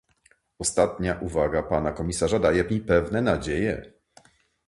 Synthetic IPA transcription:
ɔst̪at̪ɲaʔuvaɡapanakɔmʲisaʐad̪ajɛipɛvnɛnad͡ʑejɛ

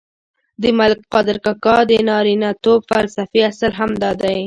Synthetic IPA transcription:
d̪əmalɪk̚qɑd̪ɪɾkakɑd̪ənɑɾinat̪ob̚falsafiasalɦamd̪ɑd̪aj

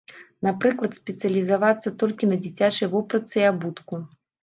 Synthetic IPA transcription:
napɾɨklˠɐt̪sʲpʲɛt̪sɨɐlʲizavat̪sːɐt̪ɔlʲkʲinɐd͡zʲit͡sʲat͡ʂɐjvɔpɾɐt̪sɨiabut̪ku

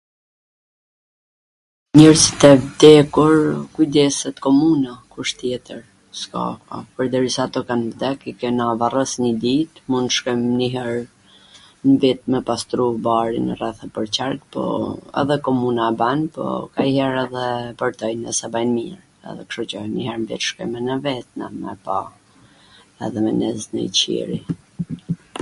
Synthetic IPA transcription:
ɲɛɾsi̥t̪ɛvd̪ɛkuɾkujd̪ɛsɛt̪kɔmunakuʃt̪jɛt̪əɾ | ska̰ka̰pəɾd̪əɾisaːt̪ɔkanvd̪ɛkikɛnavarəsɲəd̪it̪mund̪ʃkɛmniɦɛɾ | nvit̪̚mɛpast̪ɾubaɾinərɛθapəɾt͡ɕaɾkpɔ̰ɛ̰ðɛkɔmunaɛbanpɔ̰kaiɦɛɾɛðɛpəɾt̪ɔjnəsabajnmiɾ | ɛ̰ðɛ̰kʃɔt͡ɕɔnihɛɾnvḭt̪ʃkɛmɛnəvɛt̪̚na̰mɛ̰pa | ɛ̰ðɛmɛnɛznə̰it͡ɕḭɾḭ

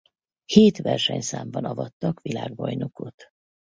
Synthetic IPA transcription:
heːt̪ʋɛrʃɛɲsaːmbɒnɒvɒt̪ːɒkʋilaːɡ̚bɒjno̞ko̞t̪

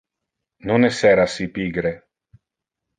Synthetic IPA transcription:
nonɛsɛɾasipiɡɾe

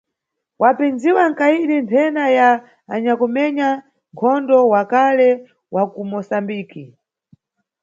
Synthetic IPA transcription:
wapinziwaŋ̩kaiɗintʰɛnajaː | ɲakumɛɲa | ŋkʰɔndɔwakalɛ | wakumɔsambiːki

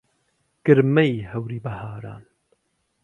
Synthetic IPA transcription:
ɡ̥ɨɾmɐjhɐwɾiːbɐhaːɾa̰ːn

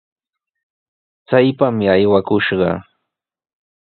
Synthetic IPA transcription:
t͡sajpamɪajwakʊʃɢɑ̰

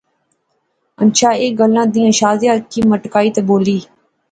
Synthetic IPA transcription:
ənʃaːeːɡəlãːd̪iːãːʃaːzjãːkiːməʈkaːiːt̪eboːliː

